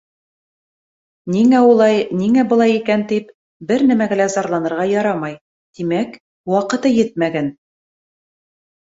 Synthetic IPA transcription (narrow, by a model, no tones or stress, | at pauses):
niŋæulˠɑjniŋæbɤ̆lˠɑjikænt̪ip | bɘɾnæmæɡælæzɑɾlˠɑnɤ̆ɾʁɑjɑɾɑmɑj | t̪imæk | wɑqɤ̆t̪ɤjɘt̪̚mæɡæn